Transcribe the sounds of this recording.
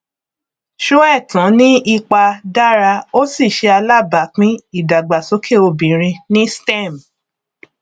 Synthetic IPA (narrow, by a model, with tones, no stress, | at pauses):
ʃo˦ɛ˦˨tɔ̃˨˦nĩ˦i˦˧k͡pa˧da˦ɾa˧o˦si˦˨ʃe˧a˧la˦˨ba˨˦k͡pĩ˦i˦˨da˨ɡ͡ba˨so˨˦kʰe˦˨o˧bĩ˨ɾ̃ĩ˧nĩ˦stɛ̃˦˨m